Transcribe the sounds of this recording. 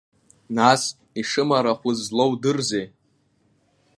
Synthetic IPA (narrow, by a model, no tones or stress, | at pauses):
nas | iʂɨmaɾaχʷʊzlo̞wdɨrze